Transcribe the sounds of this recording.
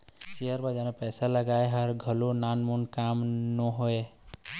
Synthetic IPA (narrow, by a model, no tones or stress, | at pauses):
siəɾbəd͡ʒanepɛːsaləɡaeɦəɾɡʱəlonanmunkamnɔɦoe